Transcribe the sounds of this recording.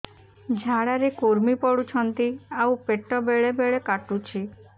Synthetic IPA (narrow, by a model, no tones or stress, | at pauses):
d͡ʒʱaɽaɾekoɾmipɔɽut͡ʃʰɔnt̪iawpeʈɔbeɭebeɭekaʈut͡ʃʰi